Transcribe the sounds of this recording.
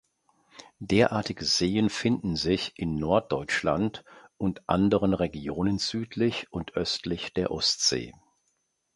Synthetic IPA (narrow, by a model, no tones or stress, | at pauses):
d̥eːɐʔaɐtɪɡəzeːənfɪndn̩zɪçʔɪnːɔɐt̚d̥ɔʏt͡ʃlantʔʊntʔa̰ndəʁənʁeɡjoːnənz̥yːtʰlɪçʔʊntʔœstlɪçd̥eːɐʔɔstz̥ḛː